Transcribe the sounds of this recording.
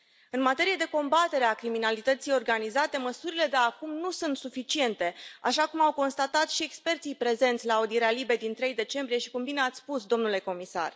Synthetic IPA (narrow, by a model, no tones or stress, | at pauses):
ɨnmat̪e̞ɾijed̪e̞ko̞mbat̪e̞ɾe̞akɾiminalit̪ət̪sijo̞rɡanizat̪e̞məsuɾile̞d̪eakumnusunt̪sufit͡ʃie̞nt̪e̞aʃakumawko̞nst̪at̪at̪ʃie̞kspe̞rt̪sijpɾe̞ze̞nt̪sʲlaːud̪ie̞ɾealibe̞d̪int̪ɾe̞jd̪e̞t͡ʃe̞mbɾije̞ʃi̥kumbine̞at̪sʲspusd̪o̞mnule̞ko̞misa̰r